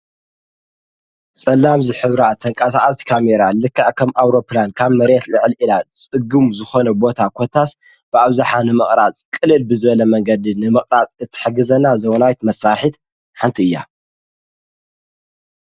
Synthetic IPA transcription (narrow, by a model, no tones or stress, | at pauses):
sʼɐlːamzɨħɨβɾat̪ʰɐŋkʼɐs̬aʔʼasi̥kʰameɾalɨkːaʕkʰɐmʔawɾo̞pʰlankʰaβmɐɾet̪lɨʕɨlilat͡sʼɨɡumzɨxo̞nɐbo̞t̪ʰakʰot̪ʰːas | b̥ɨaβzaħanɨmɨχʼɾat͡sʼkʼɨlɨlbɨzɨβɐlɐmɐŋɡɐd̪inɨmɨχʼɾat͡sʼɨt̪ʰːɨ̥ħɨɡɨzɐnazɐwnawt̪mɐsːaɾħit̪ | ħant̪ʰiɨjːa̰